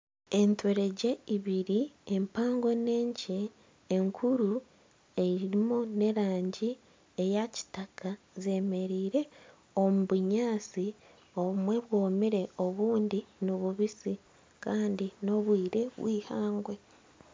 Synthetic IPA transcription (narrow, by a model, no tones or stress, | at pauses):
e̞ntwe̞ɾe̞ɟe̞iβiɾiempaːŋɡo̞ne̞ːɲceː | ŋkʰuɾu | e̞iɾimune̞ɾaːɲɟi | ejaci̥takʰa | ze̞me̞ɾiːɾe̞ | omuβuɲaːt͡si | o̞βumwe̞βwoːmiɾe̞o̞βuːndinoβuβisi | kaːndino̞βwiːɾe̞βwiːhaːŋɡwe̞